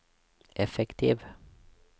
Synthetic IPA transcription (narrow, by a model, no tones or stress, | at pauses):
ʔɛfɛkt̪ʰiːv